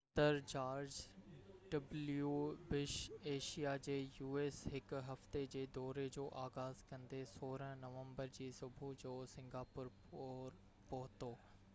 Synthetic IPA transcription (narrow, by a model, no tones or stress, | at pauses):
t̪əɾd͡ʑaːɾd͡ʑ | ɖɐbljuːbɪʃeːʃijad͡ʑeːjuːeːsɦɪkɦɐft̪ed͡ʑeːd̪ɔːɾed͡ʑoːʔaːɣaːzkɐ̃nd̪esoːɾəɦnɐʋə̃mbəɾd͡ʑiːsʊbʱud͡ʑoːsɪ̃ŋɡaːpʊɾ | ɾ | pɐɦʊt̪oː